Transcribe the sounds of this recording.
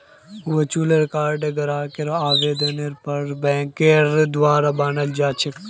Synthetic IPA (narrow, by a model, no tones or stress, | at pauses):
ʋɐt͡ʃuːleɾkaːɾɖeɡɐɾaːkeɾoaːʋeːd̪ɐneɾpɐɾbɛ̃ːkeɾd̪waːɾabaːnɐld͡ʒaːt͡ʃʰɪk